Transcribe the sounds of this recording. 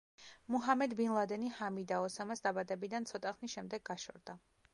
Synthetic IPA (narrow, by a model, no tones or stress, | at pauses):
muɦamɛd̪binlˠad̪ɛnihamid̪aɔsamasd̪abad̪ɛbid̪ant̪sʰɔt̪ʼaχnisʃɛmd̪ɛɡɡaʃɔ̰ɾd̪a